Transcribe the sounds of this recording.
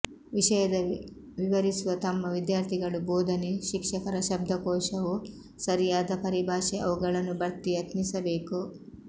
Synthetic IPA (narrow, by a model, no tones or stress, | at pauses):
ʋiʂɐjɐd̪ɐʋiʋɐɾisuʋɐt̪ɐmːɐʋid̪jaːɾt̪ʰiɡɐɭuboːd̪ʱɐneʃikʂɐkɐɾɐʃɐb̚d̪ʱɐkɔːʂɐʋu | sɐɾijaːd̪ɐpɐɾibʱaːʃeɐʋuɡɐɭɐnːubɐɾt̪ːijɐt̪nisɐbeːku